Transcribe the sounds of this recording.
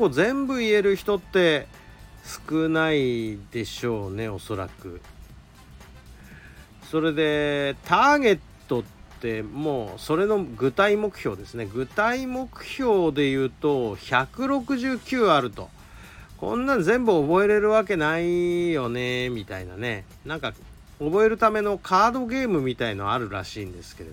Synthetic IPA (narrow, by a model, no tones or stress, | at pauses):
koːzẽ̞mbɯ̟ie̞ɾɯ̟çi̥t̪o̞t̪ːe̞ | sɨ̥kɯ̟naid̪e̞ɕo̞ːne̞o̞so̞ɾa̰kɯ̟̰ | so̞ɾe̞d̪e̞t̪aːɡe̞t̪ːo̞t̪ːe̞moːso̞ɾe̞no̞ɡɯ̟t̪aimo̞kɯ̟̥ço̞ːd̪e̞sɨne̞ɡɯ̟t̪aimo̞kɯ̟̥ço̞ːd̪e̞jɯ̟ːt̪o̞çakɯ̟ɾo̞kɯ̟ʑɨːkʲɨːaɾɯ̟t̪o̞ | kõ̞̰nːãd͡zẽ̞mbɯ̟o̞bo̞e̞ɾe̞ɾɯ̟βak̬e̞naijo̞ne̞mʲit̪a̰ina̰ne̞ | nãŋka | obo̞e̞ɾɯ̟t̪ame̞no̞kʰaːd̪o̞ɡe̞ːmɯ̟mʲit̪ainoβaɾɯ̟ɾa̰ɕiːnd̪e̞sɨ̥ke̞ɾe̞d̪o